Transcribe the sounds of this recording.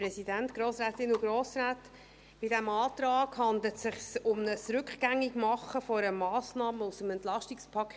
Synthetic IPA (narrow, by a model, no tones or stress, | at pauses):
pɾɛsidæntɡ̥ɾoːsɾæːtɪnuɡɾoːsɾaːt | pɪdæmɑːt̪ɾɑːɡ̥hɑnd̪lətsɪχsʊmnəsɾʏkχɡ̥æŋːiɡmɑχːəfɔɾəmɑːsnɑːməusəmɛnt̪lɑʃtikspʰɑkʰ